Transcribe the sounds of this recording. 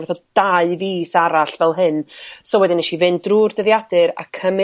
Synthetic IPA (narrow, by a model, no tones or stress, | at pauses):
ɛθɔd̥aɨviːsaɾaɬvɛlˠɦɨnsɔwɛdɪnɛʃivɨndruːrdəðjadɨɾa̰kʰəm